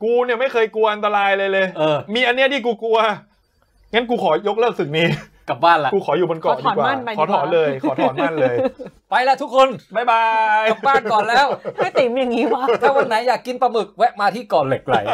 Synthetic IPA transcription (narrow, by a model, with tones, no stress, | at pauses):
kuː˧ni˧˩ma˥˩jkʰɤː˧jku˧ɐʔa˧nt̪a˧ɾaː˧jlɤː˧jlɤː˧jʔɤː˧˩miː˧ʔa˧nːi˦˥ɐt̪ʰiː˥˩k̬uː˧ku˧ɐ | ŋa˦˥nk̬uː˧kʰɔː˩˦jo˦˥k̚lɤː˥˩k̚sɯ˨˩niː˦˥ | ka˨˩baː˥˩nla˦kuː˧kʰɔː˩˦juː˨˩bo˧nkɔː˨˦˩diː˨˩˦kwaːa˥˩nʰ˧ɔː˩˦t̪ʰɔː˩˦nlɤː˧jkʰːtɔː˧˩˦nma˥˩˨nlɤː˧jpa˧jlɛ˧ʔt̪ʰu˦˥kʰːo˧nma˥˩jba˧ja˨˩pbaː˥˩nkɔː˨˩nlɛː˦˥˩wma˥˩jt̪e˨˩˦mjaː˨˩ŋːiː˦˥wa˦˥˩t̪ʰaː˥˩wa˧nːa˦˥jaː˨˩kːi˧npɾa˧mɯ˨˩k̚wɛ˦˥ʔmaː˧t̪ʰiː˥˩kɔː˨˩le˨˩k̚la̰˨˩j